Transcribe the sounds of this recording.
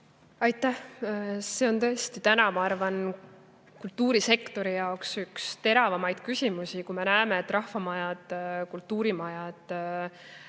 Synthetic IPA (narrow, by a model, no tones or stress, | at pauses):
ɑjt̪ːˑæhse̞o̞nt̪ɤ̞est̪it̪ænɑmɑɑrvɑn | kult̪ːuːɾise̞kt̪o̞ɾijɑoksykst̪e̞ɾɑvɑmɑjd̪̥̚kysʲimusikujme̞næeme̞et̪ːˑrɑhvɑmɑjɑd̪̥kult̪ːˑuːɾimɑjɑd̪̥